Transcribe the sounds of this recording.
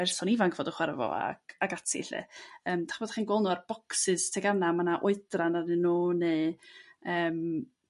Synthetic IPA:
ɛrsɔnivankʰv̥oːdəχwarvɔ̰a̰ɡ̥aɡatʰɪ̰ɪ̰ɬɨ̰əːmd̥aχəboːd̥aχiːnɡwɔlˠnɔarb̥ɔksɨstʰeɡanamanaʔʊɨdranarnɨnuːne | əːm

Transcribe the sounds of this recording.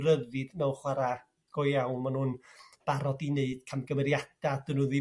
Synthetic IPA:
rəvɨdnɛwχwaɾa | ɡ̥ɔjjawnmanhuːnb̥aɾɔdineɨd̥kʰamɡəmɛɾjad̥ad̥ɨnuði

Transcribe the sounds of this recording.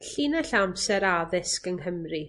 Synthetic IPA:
ɬinaɬamsɛɾaðɪskəŋɦəmri

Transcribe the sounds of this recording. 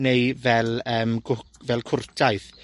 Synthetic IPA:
nejvɛlˠəːmɡʊvɛlˠkʰʊrtʰajθ

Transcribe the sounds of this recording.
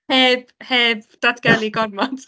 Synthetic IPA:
heːbheːbd̪̥adɡ̥ɛlˠiɡɔrmɔd̥

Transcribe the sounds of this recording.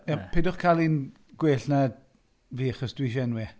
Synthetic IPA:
apʰeːdʊχkʰalˠin | ɡ̥weːɬna | viːaχɔsd̥wiʃ̬ɛnwɪ

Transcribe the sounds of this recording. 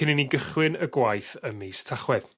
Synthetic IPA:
ɪnəniɡəχwɪnəɡwajθəmejstʰaχwɛð

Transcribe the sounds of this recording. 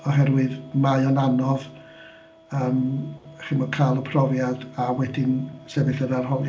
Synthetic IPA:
ɔɦɛrwɨðmajɔnanɔð | əːmχɪmɔkʰajlˠəpʰrɔvjadawɛdɪnsɛbɨθənarɦɔlˠj

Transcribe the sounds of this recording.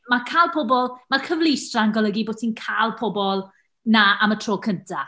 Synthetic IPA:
makʰaːlˠpʰɔbɔlˠmarkʰəvlˠɪstraaŋɡɔlˠəɡiboːtʰinkʰaːlˠpʰɔbɔlˠ | naʔamətʰroːkʰəntʰa

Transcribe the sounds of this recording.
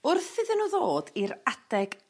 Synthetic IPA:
ʊrθɪðɪnuːðoːdiɾad̥ɛɡ̥

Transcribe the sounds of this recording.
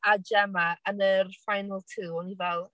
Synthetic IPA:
ad͡ʒɛmaənərfajnəlˠtʰuːɔnivɛlˠ

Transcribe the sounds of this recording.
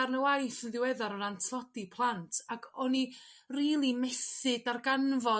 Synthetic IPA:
arnəwajθənðɪwɛðaɾɔnantʰlˠɔdipʰlˠantʰakʰɔni | riːlˠimɛsɨdarɡanvɔ

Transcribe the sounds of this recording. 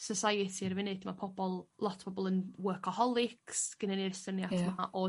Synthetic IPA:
səsajɪtʰiɾvɪnɨ̥dmapʰɔbɔlˠlˠɔtʰb̥ɔbɔlˠənwəkʰɔhɔlˠɪksɡ̥ənanirsənjatʰmaaʔɔ

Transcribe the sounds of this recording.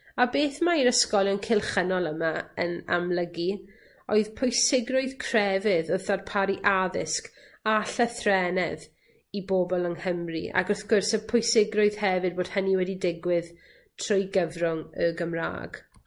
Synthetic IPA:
abeːθmaiɾəskɔlˠjɔnkʰɪlˠχənɔlˠəmaə̰na̰mlˠəɡi | oɨðpʰʊjsɪɡrʊɨð̥kʰrɛvɪðəθarpʰaɾiʔaðɪsk | aɬəθrɛnɛð | iboːbɔlˠəŋhəmrḭʔa̰ɡɔθɡ̥ʊrsəpʰʊjsɪɡrʊɨð̥hɛvɨd̚boːd̥həniwɛdidɪɡwɪð | tʰr̥ʊjɡəvrʊŋəɡəmra̰ːɡ̥

